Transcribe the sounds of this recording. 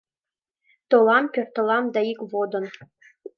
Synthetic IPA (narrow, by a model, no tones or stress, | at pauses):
t̪olˠɑmpʲørt̪ɤ̆lˠɑmd̪ɑikβod̪ɤ̆n